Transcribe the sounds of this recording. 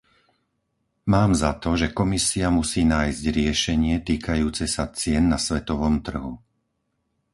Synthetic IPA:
maːmzat̪ɔʒɛkɔmisiamusiːnaːjzɟɾɪɛʃɛɲɪɛt̪iːkʰajuːt͡sɛsat͡sɪɛnːasʋɛt̪ɔʋɔmt̪r̩ɦu

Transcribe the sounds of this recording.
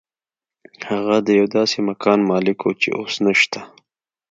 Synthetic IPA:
haɣad̪əjawd̪ɑːsemakʰɑːnmɑːlɪkot͡ʃḛʔoːsnaʃt̪a

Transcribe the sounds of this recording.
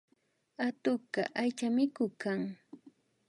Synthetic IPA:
at̪ʊka̰ʔajt͡ʃamɪkʊkaŋ

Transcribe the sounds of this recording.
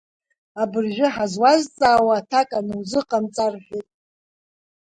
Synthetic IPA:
abɨrʒʷᶣɪħazwazt͡sʼaːwaːtʰakʼanɨwzɨqʼamt͡sʼarħʷᶣitʼ

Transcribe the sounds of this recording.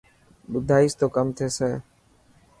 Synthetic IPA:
ɓʊd̪ʱaːiːst̪oːkəmt̪ʰeːseː

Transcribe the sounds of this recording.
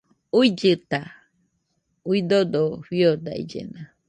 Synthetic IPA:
uid͡ʒɨt̪a | uid̪od̪oɸiod̪a̰ḭd͡ʒḛna

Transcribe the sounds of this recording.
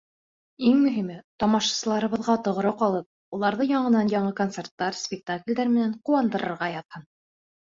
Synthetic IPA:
iŋmɵ̆ɦimɘt̪ɒmɑʃɑ̥sɤ̆lˠɑɾɤ̆βɤ̆ðʁɑt̪ŏʁɤ̆ɾɤqɑlˠɤp̚ | ulˠɑɾðɤjɑɴɤ̆nɑnjɑɴɤkont̪sert̪ːɑɾsʲpʲɪk̚t̪aklʲd̪æɾmɘ̆næɴquwɑnd̪ɤ̆ɾɤ̆ɾʁɑjɑt̪hɤn

